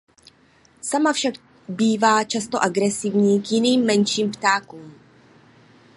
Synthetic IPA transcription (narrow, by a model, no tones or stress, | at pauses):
samafʃaɡ | biːvaːt͡ʃast̪oʔaɡɾɛsɪvɲiːkjɪniːmːɛnʃiːmpt̪aːkuːm